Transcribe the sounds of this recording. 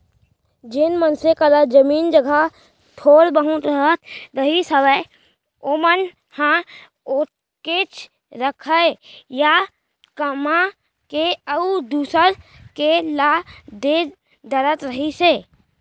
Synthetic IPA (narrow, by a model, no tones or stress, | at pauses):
d͡ʒɪnmənsekəd̪əd͡ʒəmiːnd͡ʒəɡʱa | t̪ʰoːɽbəɦʊ̃t̪ɾəɦət̪ɾəɦisəʋə | omən | hã | ot | ket͡ʃʰ | ɾəkʰəja | kəmã | keəud̪uːsəɾ | kelad̪e | d̪əɾət̪ɾəɦiseː